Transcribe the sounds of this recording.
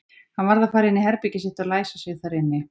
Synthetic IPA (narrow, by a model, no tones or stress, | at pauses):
hanvaɾðafaːɾɪnːɪhɛɾpicɪsɛht̪alaːjsasɛɣθaɾɪnːɪ